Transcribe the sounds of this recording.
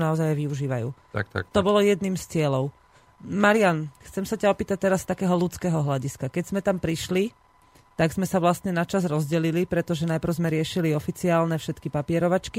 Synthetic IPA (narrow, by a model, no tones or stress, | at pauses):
naɔzajajʋiuʒiːʋajṵː | t̪ɔbɔlɔjɛd̪niːmst͡sɪɛlɔʊ | maɾianxt͡sɛmsacaɔpiːt̪ac̚t̪ɛɾast̪akɛːɦɔlut͡skɛːɦɔɦlaɟiskakɛɟz̥mɛt̪ampɾiʃli | t̪aɡz̥mɛsaʋlast̪ɲɛnat͡ʃazɾɔzɟɛlilipɾɛt̪ɔʒɛnajpɾ̩ʊzmɛɾɪɛʃiliɔfit͡siaːlnɛfʃɛt̪kipapɪɛɾɔʋat͡ʃki